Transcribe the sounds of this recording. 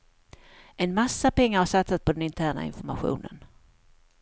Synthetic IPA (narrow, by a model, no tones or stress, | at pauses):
ɛnmasːapɛŋːaɾhaʂat̪sat̪̚pʰɔd̪ɛnɪnt̪ʰæːɳa̰ɪ̰nfɔɾmaɧṵːnə̰n